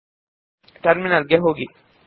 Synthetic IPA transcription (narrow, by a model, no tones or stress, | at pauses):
ʈɐɾminalɡɛɦoːɡi